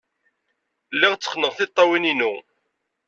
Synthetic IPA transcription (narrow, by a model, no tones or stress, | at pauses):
lːiʁt͡sːə̥χnəʁθɪt̪ˤːɑwininu